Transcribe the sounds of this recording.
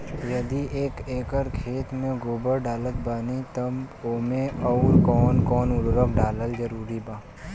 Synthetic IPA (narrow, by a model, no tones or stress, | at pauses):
jɐd̪ieːkeːkəɾkʰeːt̪mẽɡoːbəɾɖaːlət̪̚banit̪ɐmoːmẽɔʊɾkɔːnkɔːnʊlɾəkɖaːləld͡ʒəɾuːɾibaː